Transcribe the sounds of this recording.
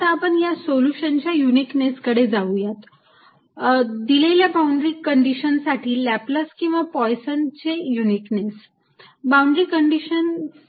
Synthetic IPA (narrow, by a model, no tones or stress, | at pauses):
t̪aːpəɳjasoljuɕənt͡ɕjajunikneskəɽed͡zaujat̪ | d̪ileljabauɳɖɾikəɳɖiɕənsaʈiːlæpləskĩw̃ʋapɔjsənt͡ɕejuniknes | bauɳɖɾikəɳɖiɕən